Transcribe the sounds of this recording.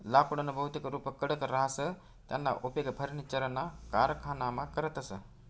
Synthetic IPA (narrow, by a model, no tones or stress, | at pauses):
laːkuɽɐnɐbʱɐɦut̪ikɾuːpəkːəɽəkɾaɦasə | t̪janːa̰ʔopekɐpʰɐɾnit͡ʃɐɾənːaka̰ːɾkʰaːnamakəɾət̪ɐsə